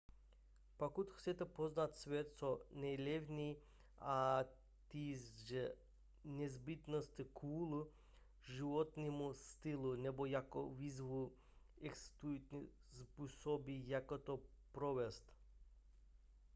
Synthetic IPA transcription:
pakut̪xsʲɛt̪ɛpoznat̪svɛt̪sɔnɛlʲɛvni | a | t̪izʒɛ | nɛzbit̪nɔst̪ikʰuːlˠu | ʒivɔt̪nimust̪ilˠunɛbɔjako̰vizvu | ɛksst̪ujt̪ni | sbusɔbijakot̪opɾɔʋɛst̪

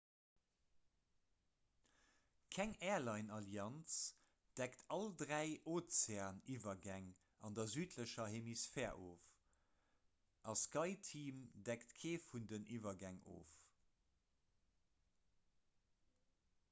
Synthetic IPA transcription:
kʰæŋɛːlɑɪnɑljɑnt͡s | d̥æktʰɑldʁæɪʔoːt͡seɐniːvɐɡæŋ | ɑndɐzyːtʰləʃɐhemisfɛːʔoːf | ʔɑskɑɪtʰiːmdæktkʰeːfundənʔiːvɐɡæŋʔo̰ːf

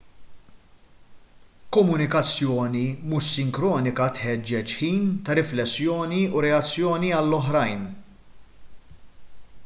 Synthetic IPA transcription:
kɔmʊnɪkɐt͡sːjɔːnimuʃːɪŋkɾɔːnɪkɐt̪ħɛd͡ʒːɛt͡ʃħiːnt̪ɐɾɪflɛsːjɔːniuɾɛɐt͡sːjɔːniɐlːɔħɾɐjn

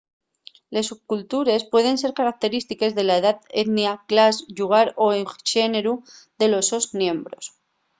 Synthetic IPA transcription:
le̞sukult̪uɾe̞spwe̞ð̞e̞nse̞ɾkaɾak̚t̪e̞ɾist̪ike̞zðe̞laeðaðe̞ðnjaklasʝuɣ̞aɾo̞eʃe̞neɾu | ðe̞lo̞so̞znjẽ̞mbɾo̞̰s

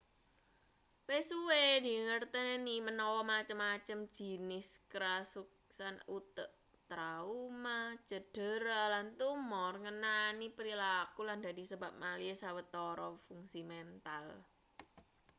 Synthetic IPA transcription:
wesuwedi̤ŋərt̪ənenimənɔwɔmat͡ʃəmːat͡ʃəm̥d͡ʒ̥i̤nɪskɾasuk̚sanut̪əʔ | t̪ɾaumḁd͡ʒ̥ə̤d̥ə̤ɾalant̪umɔrŋənanipɾilakuland̪a̤di̤səbap̚maliesawət̪ɔɾɔfuŋsimɛnt̪al

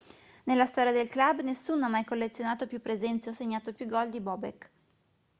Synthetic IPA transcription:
nelːast̪ɔːɾjad̪elklabːnesːunoamːajkolːet̪sːjonaːt̪opjupːɾezɛnt̪seɔseɲːaːt̪opjuɡɔld̪ibɔbek

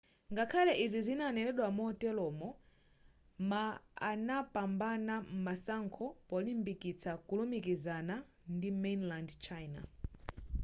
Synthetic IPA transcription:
ŋɡakʰalɛʔizizinanɛɾɛɗwamɔtɛlɔmɔ | maa̰napambanam̩masaŋkʰɔpɔlimbikit͡sʰakulumikizana | ndimɛnlandt͡ʃʰajna̰

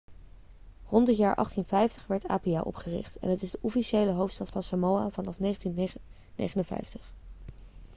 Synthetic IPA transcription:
rɔndətjaːɹʔɑ̰χtinvɛjftəχʋɛɹta̰ːpia̰ʔɔ̰pχərɪ̰χtɛ̰nɦətɪzdəʔɔfiʃejləɦowftstɑtfɑnsamowa̰vɑnɑfnejχəntin | nḛjχənənvɛ̰jftə̥χ

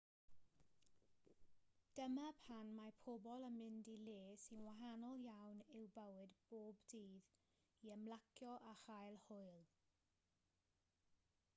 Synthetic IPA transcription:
d̥əmapʰanmapʰobɔlˠəmɪndileːsɪnwaɦanɔlˠjawnɪwbəwɨdb̥oːbdiːð | iəmlˠakʰjɔʔaχajlˠhʊɨlˠ

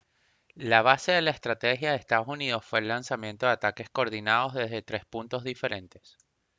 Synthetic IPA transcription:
laβ̞ase̞ðe̞laest̪ɾat̪exjaðeːst̪aðo̞sunið̞o̞sfwe̞ːlːansamje̞nt̪o̞ðeat̪ake̞skoɾðinaðo̞zðe̞zðe̞t̪ɾe̞spunt̪o̞zðife̞ɾe̞nt̪e̞s

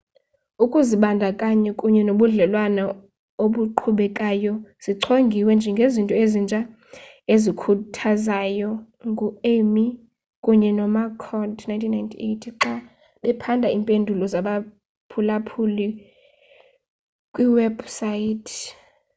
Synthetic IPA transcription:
ukʼuziɓandʱakʼaɲɛkʼuɲɛnoɓuɮɛlwana | oɓuǃʰuɓɛkʼajɔz̥iǀʰoŋɡʱiwɛnd͡ʒʱɛŋɡʱezintʼɔezint͡ʃʼa | ezikʰutʰazajɔ | ŋɡʱuemi | kʼuɲɛnɔmakʰɔdnajntʰinːaintʰietʰǁa | ɓɛpʰandʱaiːmpʼendʱulɔzaɓa | pʰulapʰuli | kʼwiwɛb̥saitʰ

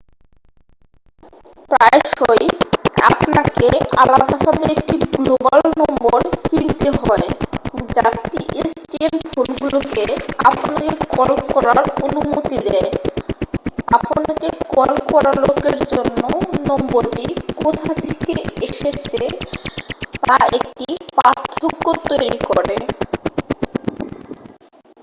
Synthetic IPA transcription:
pɾaeʃoja̰pnakealad̪abʱabeek̚ʈiɡloballnɔmboɾkint̪eɦɔed͡ʑat̪iʔesʈienfʰonɡulokeaponakekɔlkɔɾaɾonumot̪id̪ɛe | aponakekɔlkɔɾalokeɾd͡ʑonːonɔmboɾʈikot̪ʰat̪ʰekeeʃet͡ɕʰe | t̪aek̚ʈipaɾt̪ʰokːot̪ojɾikɔɾe

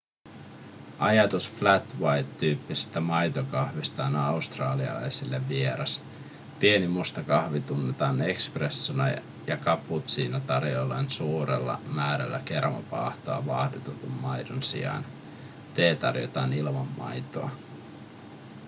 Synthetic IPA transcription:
ʔɑjɑt̪usflæt̪wɑjt̪ːyːpːise̥st̪æmɑjt̪okɑhʋist̪ɑːnɑust̪rɑːliɑ̰lɑ̰jsilːeʋːie̞ɾɑs | pie̞nimust̪ɑkɑhʋit̪unːet̪ɑːne̞kspresːunɑ̰ | jɑkɑput̪siːnæt̪ɑrjolːensuːɾḛlːɑ̰mæːɾæ̰lːæ̰ke̞rmɑ̰pɑ̰ːht̪oɑʋɑhdut̪et̪umːɑjdonsḭɑ̰n | t̪e̞ːt̪ɑ̰rjo̰t̪ɑːnilmɑmːɑ̰jt̪oɑ̰

